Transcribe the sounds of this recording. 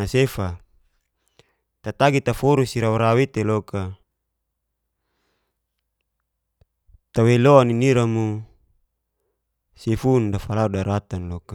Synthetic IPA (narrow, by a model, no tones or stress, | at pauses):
asefa | t̪at̪aɡit̪afuɾusiɾaɾawit̪eloka | t̪aweloaniniɾamu | sifundafalaudaɾat̪anloka